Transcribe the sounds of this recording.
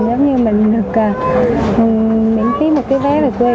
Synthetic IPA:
zə˨˦wŋ͡mɲɨ˧mï˨˩ŋ̟ɗɨ˨˩ək̚aː˨˩˨ | mḭ˧˥ənxi˨˦mo˨˩t̚kaː˨˦jvɛ˨˦vo˨˩ku˧

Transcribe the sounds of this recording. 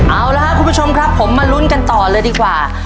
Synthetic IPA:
ʔaː˧˩wla˦˧˥ʔkʰu˧mbʰu˥t͡ɕʰo˧mkʰɾa˦˥pʰːo˩˦mːaː˧lu˦˥nka˧nt̪ɔː˨˩lɤː˧jdiː˧kwaː˨˩

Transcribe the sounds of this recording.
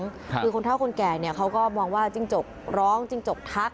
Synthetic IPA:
ŋkʰɯː˧kʰo˧nt̪ʰa˥˩kʰo˧nkɛː˨˩ni˥˩ɐkʰa˦˥wkɔː˥˩mɔː˧ŋwaː˥˩t͡ɕi˥˩ŋt͡ɕo˨˩k̚ɾɔː˦˥ŋt͡ɕi˧˥˩ŋt͡ɕo˨˩k̚t̪ʰa˦˥k̚

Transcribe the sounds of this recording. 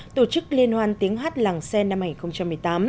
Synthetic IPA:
t̪o˧˩t͡ɕɨ˦˥k̚li˧ənhwaː˧nt̪i˨˦əŋɦaː˦˥t̚laː˨˩ŋsɛ˧na˧mha˧ŋi˨˩xə˧wŋ͡mt͡ɕa˧mːɨ˨˩əjt̪aː˨˦m

